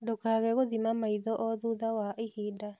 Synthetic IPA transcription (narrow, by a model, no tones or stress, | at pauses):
dokaːɣɛɣoðimamaiðɔʔɔðuːðawaʔehida